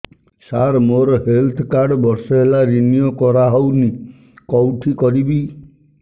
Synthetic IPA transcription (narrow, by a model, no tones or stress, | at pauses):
saɾmoɾɔɦelt̪ʰɔkaɾɖbɔɾsɔɦelaɾinijokɔɾaɦɔwni | kɔwʈʰikɔɾibi